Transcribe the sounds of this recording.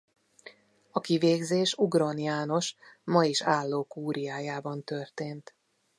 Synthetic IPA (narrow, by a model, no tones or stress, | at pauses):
ɒkiveːɡzeːʃuɡronijaːno̞ʃmɒjiʃaːlːoːkuːɾijaːjaːbɒnt̪ørt̪eːnt̪